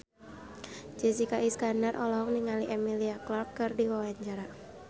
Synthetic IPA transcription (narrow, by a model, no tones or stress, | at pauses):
d͡ʒɛsikaʔiskanarʔɔlɔɦɔŋniŋaliʔɛmiliaklɔrkːɨrdiwawaɲt͡ʃaɾa